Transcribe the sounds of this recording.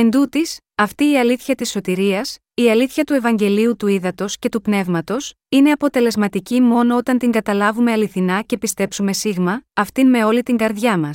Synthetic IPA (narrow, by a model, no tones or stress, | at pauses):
e̞nd̪ut̪is | ɐft̪iːɐliθçɐt̪isːo̞t̪iɾiɐs | iɐliθçɐt̪ue̞vɐɲɟe̞liut̪uiðɐt̪o̞sce̞t̪upne̞vmɐt̪o̞s | ine̞ɐpo̞t̪e̞le̞zmɐt̪icimo̞no̞ot̪ɐnt̪iŋɡɐt̪ɐlɐvume̞ɐliθinɐce̞pist̪e̞psume̞siɣmɐːft̪inme̞o̞lit̪iŋɡɐɾðʝɐmɐs